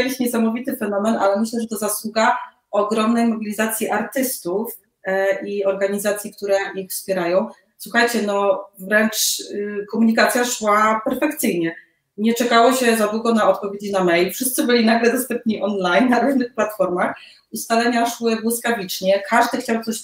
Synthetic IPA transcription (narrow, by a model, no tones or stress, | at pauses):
elʲiɕɲɛsamɔvʲit̪ɘfɛnɔmɛna̰lɛmɘɕlɛʐɛt̪ɔzaswuɡa | ɔɡɾɔmnɛjmɔbʲilʲizat̪sʲjiʔaɾt̪ɘst̪uf | iɔɾɡaɲizat̪sʲjik̚t̪uɾɛixfspʲjɛɾajɔ̃w̃ | swuxajt͡ɕɛnɔvɾɛnt͡ʂkɔmuɲikat̪sʲjaʂwapɛɾfɛkt̪sɘjɲɛ | ɲɛt͡ʂɛkawɔɕɛzad̪wuɡɔnaɔt̪̚pɔvʲjed͡ʑinamɛjlfʂɘst̪sɘbɘlʲinaɡlɛd̪ɔst̪ɛmpɲiʔɔnlajnːaɾuʐnɘxplat̪fɔɾmax | ust̪alɛɲaʂwɘbwɔskavʲit͡ʂɲɛkʰaʐd̪ɘxt͡ɕawt̪sɔɕ